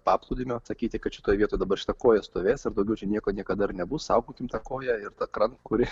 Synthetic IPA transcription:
pɑːplˠuːd̪ʲɪmʲoːsɐkʲiːt̪ʲɪkɐt̪ʃʲɪt̪oːjʋʲiɛt̪oːjɛd̪ɐbɐrʃɪ̥t̪ɐkoːjɛst̪oːʋʲeːsɪɾd̪ɐʊɡʲɛʊt͡ʃʲɛnʲiɛkoːnʲiɛkɐd̪ɐɪɾnʲɛbʊssɑʊɡoːkʲɪmt̪ɑkoːjɛɪrt̪ɐkɾɐŋkʊɾʲɪ

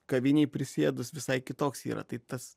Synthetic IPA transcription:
kɐʋʲɪnʲɛːpʲɾʲɪsʲeːd̪ʊsʋʲɪsɐɪkʲɪt̪oːksḭːɾɐ̰t̪ɐɪt̪ɐs

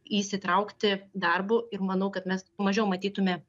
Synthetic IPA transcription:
iːsʲɪt̪ɾɐʊkt̪ʲɪd̪ɐrbʊɪrmɐnɐʊkɐt̪mʲɛsmɐʒʲɛʊmɐt̪ʲiːt̪ʊmʲɛ

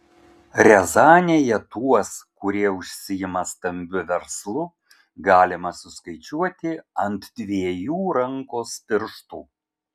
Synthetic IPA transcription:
ɾʲɛzɑːnʲeːjɛt̪uɔskʊɾʲiɛʊʃʲsʲɪjɪmɐst̪ɐmʲbʲʊʋʲɛɾslˠʊ | ɡɑːlʲɪmɐsʊskɐɪt͡ʃʲuɔt̪ʲɪɐnt̪d̪̥ʲʋʲiɛjuːɾɐŋkoːspʲɪɾʃt̪uː

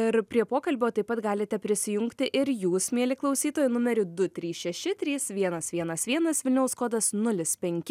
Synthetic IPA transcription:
ɪɾpʲɾʲiɛpoːkɐlʲbʲoːt̪ɐɪpːɐt̪ɡɑːlʲɪt̪ʲɛpʲɾʲɪsʲɪjʊŋkt̪ʲɪʔɪɾjuːsmʲeɛlʲɪklˠɐʊsʲiːt̪oːjʊnʊmʲɛɾʲʊd̪ʊt̪ʲɾʲiːsʃʲɛʃʲɪt̪ʲɾʲiːsʋʲiɛnɐsʋʲiɛnɐsʋʲiɛnɐsʋʲɪlʲnʲɛʊskoːd̪ɐsnʊlʲɪspʲɛŋʲkʲɪ

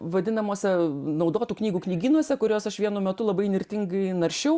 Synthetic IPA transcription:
ʋɐd̪ʲɪnɐmoːsʲɛnɒʊd̪oːt̪uːknʲiːɡuːknʲiːɡʲiːnuɔsʲɛkʊɾʲoːsɐʃʋʲiɛnumʲɛt̪ʊlˠɐbɐɪnʲɪɾʲt̪ʲɪŋɡɐɪnɐɾʲʃʲɛʊ

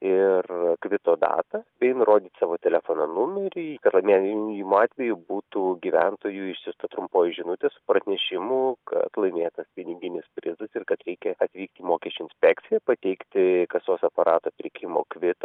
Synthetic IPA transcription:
ɪrkʋʲɪt̪oːd̪ɑ̰ːt̪ɐbʲɛɪnʊɾoːd̪ʲiːt̪sɑːʋoːt̪ʲɛlʲɛfoːnɐnʊmʲɛɾʲɪkɐt̪lˠɐɪmʲeːjɛjɪmɑːt̪ʲʋʲɛjʊbuːt̪uːɡʲiʋʲænt̪oːjuːɪʃsʲʊst̪ɐt̪ɾʊmpoːjʊʒʲɪnʊt̪ʲeːsʊ̥pɾɐnʲɛʃʲɪmʊkɐ̰t̪lˠɐɪmʲeːjɛt̪ɐspʲɪnʲɪɡʲɪnʲɪspʲɾʲɪzɐsɪrkɐt̪ɾʲɛɪkʲɛɐt̪ʲʋʲiːk̚t̪ʲiːmoːkʲɛsʲt͡ʃʲʊːɪnʲsʲpʲɛkt̪sʲɪjɛpɐt̪ʲɛɪkt̪ʲɪkɐsoːsɐpɐɾʔɑːt̪oːpʲɾʲɪkʲʰɪmo̰ːkʋʲɪt̪ɐ

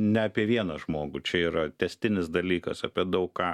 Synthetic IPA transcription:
nʲɛɐpʲiɛʋʲiɛnɐʒmoːɡut͡ʃʲɛiːɾɐt̪ʲɛsʲt̪ʲɪnʲɪsd̪ɐlʲiːkɐsɐpʲiɛd̪ɐʊkkkɑː

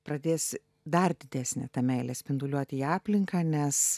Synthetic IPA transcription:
pɾɐd̪ʲeːs | d̪ɐrd̪ʲɪd̪ʲæːsʲnʲɛ̰t̪ɐmʲɛɪlʲɛsʲpʲɪnd̪ʊlʲuɔt̪ʲɪiːɑːpʲlʲɪŋkɐːnʲɛs

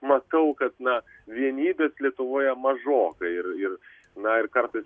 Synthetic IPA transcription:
mɐt̪ɐʊkɐt̪nɐ | ʋʲiɛnʲiːbʲeːslʲiɛt̪ʊʋoːjɛmɐʒoːkɐɪrɪr | nɐɪɾkɐɾt̪ɐɪs

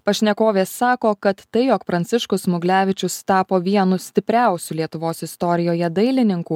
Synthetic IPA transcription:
pɐʃʲnʲɛkoːʋʲeːsːɑːkoːkɐt̪ːɐɪjoːkpɾɐnʲsʲɪʃkʊsmʊɡlʲæːʋʲɪt͡ʃʲʊst̪ɑːpoːʋʲiɛnʊsʲt̪ʲɪpʲɾʲæˑʊsʲuːlʲiɛt̪ʊʋoːsɪst̪ɔːɾʲɪjoːjɛd̪ɐɪlʲɪnʲɪŋkuː

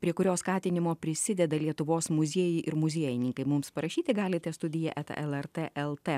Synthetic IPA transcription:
pʲɾʲiɛkʊɾʲoːskɑːt̪ʲɪnʲɪmoːpʲɾʲɪsʲɪd̪ʲɛd̪ɐlʲiɛt̪ʊʋoːsmʊzʲiɛːjɪʔɪɾmʊzʲiɛjɪnʲɪŋkɐɪmʊmspɐɾɐʃʲiːt̪ʲɪɡɑːlʲɪt̪ʲɛst̪ʊd̪ʲɪjɛʔɛt̪ɐ̰ʔɛlˠɛɾt̪eʔɛlˠt̪e

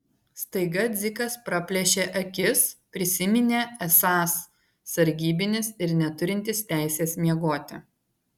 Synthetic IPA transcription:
st̪ɐɪɡɐd̪zʲɪkɐspɾɐpʲlʲɛʃʲeːʔɐkʲɪspʲɾʲɪsʲɪmʲɪnʲeːɛsɑːsː | ɐɾʲɡʲiːbʲɪnʲɪsɪɾnʲɛt̪ʊɾʲɪnʲt̪ʲɪst̪ʲæˑɪsʲeːsmʲiɛɡoːt̪ʲɪ

